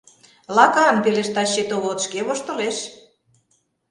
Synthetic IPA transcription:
lɑkɑnpeleʃt̪ɑɕːet̪oβot̪ʃkeβoʃt̪ŏleʃ

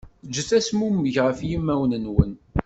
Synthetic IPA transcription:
d͡ʒːəθæsmuməʝʁəfjimːæwnənwən

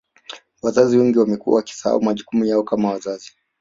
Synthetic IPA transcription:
wazaziwɛŋɡiwamɛkua̰waki̥saha̰umaʄukumujaɔkamawazazi

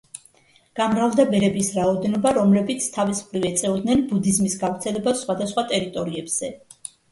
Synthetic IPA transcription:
ɡ̥amɾalˠd̪abɛɾɛbisɾaɔd̪ɛnɔbaɾɔmlɛbit̪sʰt̪ʰavismχɾivɛt̪sʼɛɔd̪nɛnbud̪izmisɡavɾt̪sʰɛlɛbasːχwad̪asχwat̪ʼɛɾit̪ʼɔɾiɛbz̥ɛ

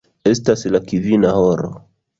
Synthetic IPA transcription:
ɛstasilakivinahɔɾɔ̰

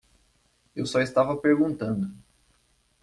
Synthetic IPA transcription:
ewsɔist̪avɐpeɾɡũnt̪ɐ̃nd̪ʊ

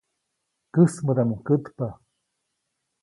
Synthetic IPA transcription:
kɨsmədamukət̪pa

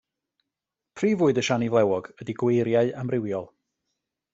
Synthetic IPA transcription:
pʰriːvʊːɨdəʃanivlˠɛwɔɡədiɡweɾjaɨamrɪwjɔlˠ

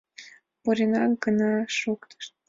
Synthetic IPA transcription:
puɾʲenɑkɡənɑʃukt̪ə̥ʃt̪̚

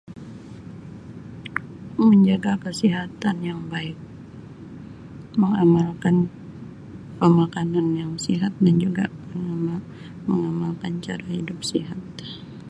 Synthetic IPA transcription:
məɲd͡ʒaɡakəsiɦat̪anjaŋbaɪk̚ | məŋamalkan | pəmakananjaŋsiɦat̪̚dand͡ʒuɡaməŋm | məŋamalkant͡ʃaɾahidʊp̚siɦat̪̚

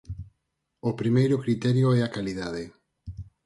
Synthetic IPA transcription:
opɾimejɾʊkɾit̪ɛɾjoɛakaliðaðe

